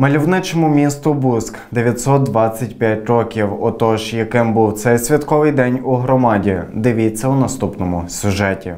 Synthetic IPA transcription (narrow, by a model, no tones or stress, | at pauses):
mɐlʲiwnɪt͡ʃɔmʊmʲist̪ʊbuskd̪eʋʲjɐt̪ʲsɔt̪̚d̪ʋɑt͡sʲːɐt̚ʲpʲjatʲrɔkʲiwɔt̪ɔʒjɐkɪmbuwt̪sɛjsʲʋʲit̪kɔʋɪjd̪ɛnʲuɦɾɔmɑdʲid̪ɪʋʲit͡sʲːɐunɐst̪upnɔmʊsʲʊʒɛtʲḭ